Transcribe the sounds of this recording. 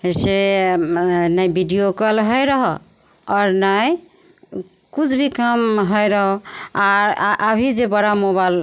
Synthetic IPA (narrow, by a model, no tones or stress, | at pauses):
ese | nəjbʱiɖijokəlɦojɾəɦɔ | ɔɾnaj | kut͡ʃʰbʱikəmɦojɾəɦɔaɾʔabʱid͡ʒebəɽamoβal